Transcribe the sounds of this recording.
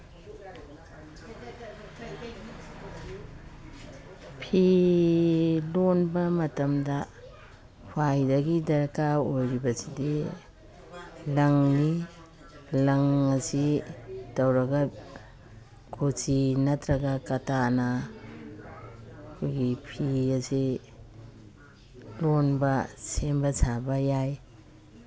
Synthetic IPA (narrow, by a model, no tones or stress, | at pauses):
pʰi | lonbɐmɐtɐmdɐ | hʰajdɐɡidɐɾkaojɾibɐsidi | lɐŋni | lɐŋɐsid̥ɐwɾɐɡa | kʰot͡ʃinɐtɾɐɡakɐtana | kʰujɡipʰiɐsi | lonbɐsembɐsabɐjaj